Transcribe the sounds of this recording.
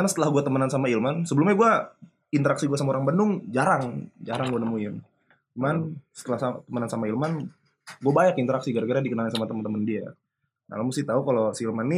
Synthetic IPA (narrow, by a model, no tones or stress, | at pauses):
kanasə̥t̪əlahɡuat̪əmənansamailmansəbəlumɲaɡua | int̪əɾaksiɡuasamaoɾaŋbənʊŋd͡ʒaɾaŋd͡ʒaɾaŋɡuanəmuɪn | t͡ʃumansə̥t̪əlahst̪əmənansamailman | ɡuabaɲakint̪əɾaksiɡaɾaɡəɾadikənalɪnsamat̪əmənt̪əməndia | na̰lamust̪iht̪aukalosiilmanːi